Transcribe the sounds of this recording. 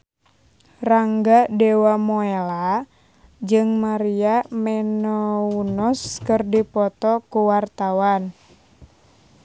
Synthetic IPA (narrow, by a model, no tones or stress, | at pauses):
raŋɡadɛwamoela | d͡ʒɨŋmaɾiamɛnɔunɔskɨrdipɔt̪ɔkuwart̪awan